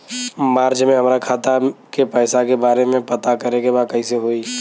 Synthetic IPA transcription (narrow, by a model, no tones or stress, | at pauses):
maːɾd͡ʒmẽɦəmɾakʰaːt̪akepɛːsakebaːɾemẽpət̪akəɾekebaːd̪̚kəiseɦoːi